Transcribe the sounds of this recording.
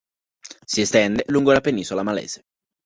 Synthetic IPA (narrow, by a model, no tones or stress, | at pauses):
siest̪ɛnd̪eluŋɡolapenːiːzolamalḛːz̥e